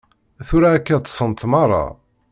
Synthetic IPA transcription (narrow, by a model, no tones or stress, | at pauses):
θʊɾæːkːæt̪ːsˤənt̪mɑrˤːɑ̰